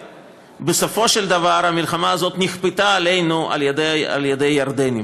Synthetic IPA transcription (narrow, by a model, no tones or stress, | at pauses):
besofo̞ʃeld̪ɐvaɾhamilχamaːzo̞t̪niχpet̪aːle̞jnua̰ljed̪ea̰ljed̪ejːaɾd̪eni